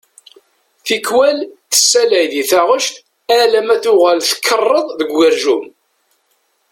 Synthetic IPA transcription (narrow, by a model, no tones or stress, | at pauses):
θikːwælθə̥sːælæjðiθaʁəʃt̪ | ælæmæθʊʁælθə̥kʰːərˤːəðˤðəɡʷːəɾʒum